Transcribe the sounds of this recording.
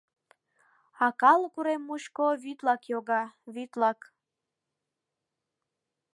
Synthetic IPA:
ɑkɑlkuɾemːuʃkoβyt̪lɑkjoɣɑβyt̪lɑk

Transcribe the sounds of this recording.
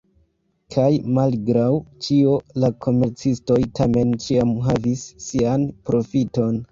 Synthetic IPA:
kʰajmalɡɾawt͡ʃio̞lakʰo̞me̞ɾt͡sisto̞jtʰame̞nt͡ʃiamɦavisːianpɾo̞fito̞n

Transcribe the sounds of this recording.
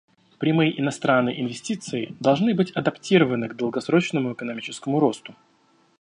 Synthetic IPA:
pɾʲɪmɨjʔɪnɐst̪ɾanːə̰jʔɪ̰nvʲɪsʲtʲit̪sɨɪd̪ɐlˠʐnɨbɨtʲɐd̪ɐptʲiɾəvənɨɡd̪əlˠɡɐsɾo̞t͡ɕnəmʊɪkənɐmʲit͡ɕɪ̥skəmʊɾo̞st̪ʊ

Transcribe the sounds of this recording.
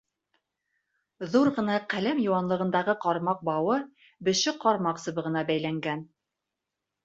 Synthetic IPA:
ðuɾʁɤ̆nɑqælæmjŭwɑnlˠɤ̆ʁɤ̆nd̪ɑʁɤqɑɾmɑq̚bɑwɤ | bɘ̆ʃɘqɑɾmɑqsɤ̆βɤ̆ʁɤ̆nɑbæjlæŋɡæn

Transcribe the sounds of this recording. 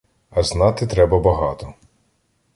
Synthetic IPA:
ɐznɑt̪ɪt̪ɾɛbɐbɐɦɑt̪ɔ

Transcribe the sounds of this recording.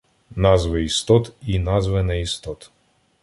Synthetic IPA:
nɑzʋɪist̪ɔt̪inɑzʋɛnɛist̪ɔt̪

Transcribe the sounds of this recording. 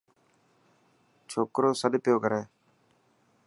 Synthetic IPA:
t͡ʃʰoːkɾoːsəɗpɪjoːkəɾeː

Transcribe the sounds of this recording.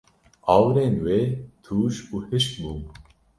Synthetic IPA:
ɑːwɾeːnweːt̪ʰuːʃuːhɨʃk̪̚buː

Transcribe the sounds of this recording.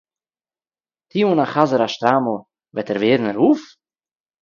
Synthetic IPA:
tʰiːunaχazəɾaʃt̪ɾaml̩ˠ | vɛtɛɾveːɾn̩ɛɾuːf

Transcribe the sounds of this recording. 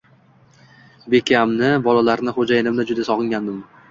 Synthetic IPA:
be̞kʲʰamnɪbɒlalaɾnɪχod͡ʒajɪnɪmd̪ad͡ʒʊd̪asɒʁɨŋɡʲand̪ɪm

